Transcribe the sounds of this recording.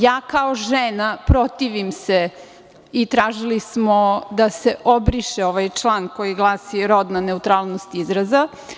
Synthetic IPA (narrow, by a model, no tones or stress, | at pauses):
jaːkaoʒenapɾot̪iʋimse | it̪ɾaːʒilismod̪ase̞ʔobɾiʃeoʋajt͡ʃlˠaːnko̞jiɡlˠaːsiɾo̞d̪naneut̪ɾaːlˠnost̪izɾaza